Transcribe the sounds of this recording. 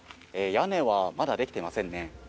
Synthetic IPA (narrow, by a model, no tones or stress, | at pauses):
ejane̞βamad̪ad̪e̞kʲi̥t̪e̞imasẽ̞nːe̞